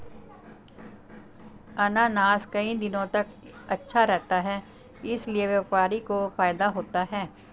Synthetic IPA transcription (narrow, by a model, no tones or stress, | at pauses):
ɐnaːnaːskɐĩd̪ɪnõt̪ɐk | ɐtːʃʰaɾɛɦt̪aɦɛː | ɪslieʋjɐʋpaːɾikofaːjd̪aɦoːt̪aɦɛː